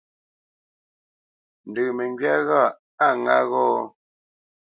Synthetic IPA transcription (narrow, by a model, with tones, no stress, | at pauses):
n̩˨dɨ˨me˨ŋɡɥa˦ɣa˦˨ | a˦˨ŋa̰˦ɣɔː˦